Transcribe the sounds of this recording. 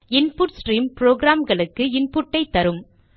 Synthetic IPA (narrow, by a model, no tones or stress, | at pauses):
ɪnpuːʈsʈɾiːmpɾoːɡɾaːmɡɐɭɯkːɯɪnpʊʈːɐɪt̪ːɐɾɯm